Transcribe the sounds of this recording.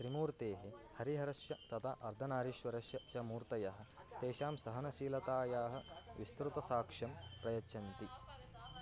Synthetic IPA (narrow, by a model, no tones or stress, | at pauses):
t̪ɾimuːɾt̪eːɦi | hɐɾiɦɐɾɐʃjɐt̪ɐt̪ʰa̰ʔɐɾd̪ʱɐnaːɾiʃʋɐɾɐʃjɐt͡ʃɐmuːɾt̪ɐjɐɦɐ̆ | t̪eːʃaːmsɐɦɐnɐʃiːlɐt̪aːjaːɦɐ̆ | ʋist̪ɾut̪ɐsaːkʂɐmpɾɐjɐt͡ʃʰɐnt̪i